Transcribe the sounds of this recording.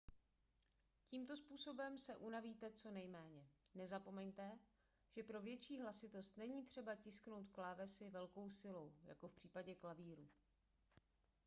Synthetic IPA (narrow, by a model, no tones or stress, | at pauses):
ciːmt̪o̞spuːso̞bɛmsɛʔunaviːt̪ɛt͡so̞nɛjmɛːɲɛnɛzapo̞mɛɲt̪ɛ | ʒ̥ɛpɾo̞vjɛt͡ʃiːɦlasɪt̪ost̪nɛɲiːt̪r̝̥ɛbacɪskno̞wt̪klaːvɛsɪvɛlko̞wsɪlo̞wja̰ko̞fpr̥iːpaɟɛklaviːɾuː